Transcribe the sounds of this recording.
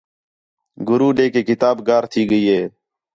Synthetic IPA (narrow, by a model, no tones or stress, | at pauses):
ɡʊɾuːɗeːkeːkɪt̪aːbɡaːɾt̪ʰiːɡəiːɦeː